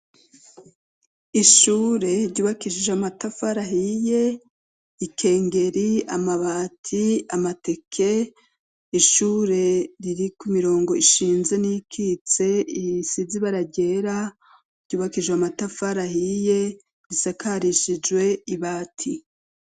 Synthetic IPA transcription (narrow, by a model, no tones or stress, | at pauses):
iʃuːɾe̞ɾɟuːβakiʃiʒamatafaɾaɦije̞ | ikʰe̞ːŋɡe̞ɾia̰maβatʰiamate̞kʰe̞ | iʃuːɾe̞ɾiɾikumiɾo̞ːŋɡo̞iʃiːnze̞nikʰit͡se̞isiziβaɾaɟe̞ɾa | ɾɟ̥uːβakiʒwamatafaɾahije̞ | ɾisakaɾiʃid͡ʒɡwe̞iβaːtʰi